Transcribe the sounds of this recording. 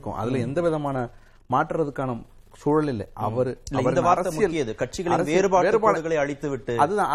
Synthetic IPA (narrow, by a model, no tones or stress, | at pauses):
kːʊ̰̃ʔɐ̰ðɪlɐɛnd̪ɐʋɪðɐmaːnɐ | maːʈːɾɐðɯkːaːnɐ | suːɻɐlɪlːɛ̰ʔɐ̰ʋɐɾɯɐʋɐɾnd̪ɐʋaːɾɐɾɐɐsɪjɐlkɪjɐðɯkɐʈ̚t͡ʃɪɣɐɭɐɾɐseɪːɾɯpaːʋeːɾɯpaːɐɯɣɐɭɐɪɐɻɪt̪ːɯʋɪʈːɯɐðɯðãː